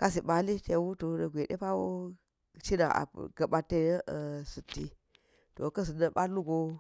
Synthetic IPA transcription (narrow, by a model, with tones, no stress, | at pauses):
ka˦s̬i˨ɓa˨li˦te˨˦wu˦to˨˦nə˨ɡʷe˨ɗḛ˦pa˦wo˦ | t͡ʃi˦na̰˨a̰˨ɡ̥ɐ˨ɓa˨tːe˦jsu˨tːi˨ | to̰˨kɐ˦s̬i˨nə˨ɓa˦lu˦ɡo˦